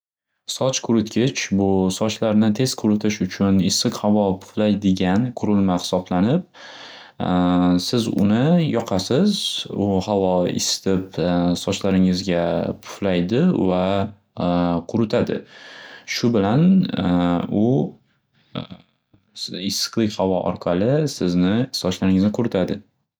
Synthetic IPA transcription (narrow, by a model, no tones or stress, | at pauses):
sɒt͡ʃkʰʊɾɪt̪kʲʰɪt͡ʃbʊsɒt͡ʃlaɾnɪt̪ʰe̞z̥kʰʊɾʊt̪ʰɪʃʊt͡ʃʰʊnɪsːɨqhavɒpʰʊ̥flajd̪ɪɡʲanqʰʊɾɪlmahɪ̥sɒblanɪp̚ | sɪzʊ̰nɪjɒqʰasɪzʊhavɒɪ̰sɪ̥t̪ʰɪpsɒt͡ʃlaɾɪŋɪzɡʲapʰʊ̥flajd̪ɪva | qʰʊɾɪt̪ʰad̪ɪ̰ | ʃʊbɪlan | ʊ | ɪsɨ̥qlˠɪkʲhavɒʔɒ̰ɾqʰɑlɪsɪznɪsɒt͡ʃlaɾɪŋɪznɪqʰʊɾɪt̪ʰad̪ɪ